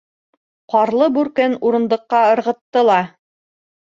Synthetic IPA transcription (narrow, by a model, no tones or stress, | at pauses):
qɑɾlˠɤbʉɾkɘnuɾɤ̆nd̪ɤ̆qːɑɤ̆ɾʁɤ̆t̪ːɤlˠɑ